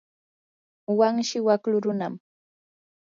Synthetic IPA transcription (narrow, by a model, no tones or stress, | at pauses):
waŋʃɪwaklʊɾʊnam